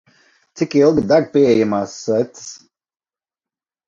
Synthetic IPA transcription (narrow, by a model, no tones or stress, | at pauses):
t̪sikilˠɡid̪aɾpiɛɛjamaːsːɔt̪ɨ̥s